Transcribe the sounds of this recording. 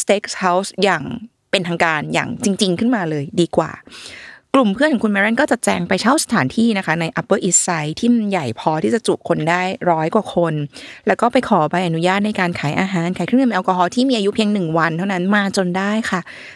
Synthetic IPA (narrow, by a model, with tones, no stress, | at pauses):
st̪eː˦˥k̚sha˦˥wsjaː˨˩ŋ | pe˧nt̪ʰa˧ŋkaː˧nja̰ː˨˩ŋt͡ɕi˧ŋt͡ɕi˧ŋkʰɯ˥˩nmaː˧lɤː˧jdiː˧kwa̰ː˨˩klu˨˩mpʰɯ˥˩nʰɔ˨˩ŋku˧nmɛː˧ɾa˥˩nkɔː˥˩t͡ɕa˨˩t̪̚t͡ɕɛː˧ŋpa˧jt͡ɕʰa˥˩wsḁ˧t̪ʰaː˩˦nt̪ʰiː˥˩na˦˥kʰa˦˥na˧jʔa˦˥pːɤː˥˩ʔi˦˥t̚sa˦˥jt̪ʰiː˥˩mnja˨˩jpʰɔː˧t̪ʰiː˥˩t͡ɕa˨˩t͡ɕṵ˨˩kʰo˧ndaː˥˩jɾɔː˦˥jkwaː˨˩kʰo˧nlɛː˦˥wkɔː˥˩pa˧jkʰɔː˩˦ba˧jʔa˧nu˦˥jaː˥˩t̪̚na˧jkaː˧nkʰaː˩˦jʔaː˧ɦaː˨˦nkʰaː˨˦kʰɯ˥˩˨m˧ʔkɔː˧ɦɔː˦˥t̪ʰiː˥˩miː˧ʔa˧ju˦˥pʰi˧əŋnɯ˨˩ŋwa˧nt̪ʰa˥˩wna˦˥nmaː˧t͡ɕo˧ndaː˥˩jkʰa˥˩